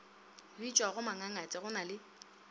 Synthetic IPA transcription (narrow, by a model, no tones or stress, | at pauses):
rit͡ʃʼwaɣʊmaŋaŋat͡sʼɪɣʊnalɪ